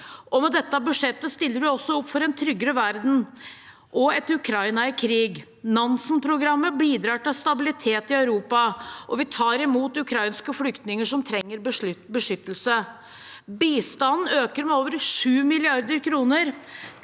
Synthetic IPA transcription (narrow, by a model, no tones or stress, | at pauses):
ʔɔmɛd̪ɛt̪ːɑbʉʂɛt̪ːəst̪ɪlːəɾʋɪɔsːɔɔpːfɔɾɛnt̪ʰɾʏɡːəɾəʋæɾd̪n̩ | ʔɔɛt̪ʉkʰɾɑɪnɑɪkʰɾiːɡ | nɑnsn̩pʰɾʊɡɾɑmːəbiːd̪ɾɑːʈɪlst̪ɑbɪlɪt̪ʰeːt̪ɪœʉɾuːpɑʔɔʋɪt̪ʰɑːɾɪmuːt̪ʉkʰɾɑɪnskəflʏkt̪nɪŋəʂɔmt̪ʰɾɛŋːəɾbəʂbəʂʏt̪ːəlsə | biːst̪ɑnn̩øːkəɾmɛoːʋəɾʂʉːmɪlɪɑɾd̪əɾkʰɾuːnəɾ